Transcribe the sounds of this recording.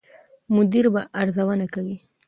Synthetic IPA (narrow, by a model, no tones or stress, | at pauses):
mʊd̪iɾbaʔaɾzawənakawi